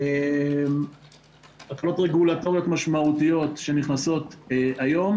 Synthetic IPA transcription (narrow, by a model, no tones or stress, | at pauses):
em | alkalo̞tʁeɡulat̪o̞ʁjo̞tmaʃmaut̪ijo̞t̪ʃe̞niχnaso̞t̪eajo̞m